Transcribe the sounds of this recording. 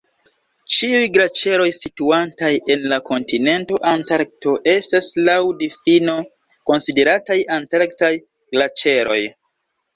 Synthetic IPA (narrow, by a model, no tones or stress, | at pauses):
t͡ʃiujɡlat͡ʃe̞ɾo̞jsituantaje̞nlako̞ntine̞nto̞ʔantaɾk̚to̞ʔe̞staslawdifino̞ | ko̞nside̞ɾatajantaɾktaj | ɡ̥lat͡ʃe̞ɾo̞̰j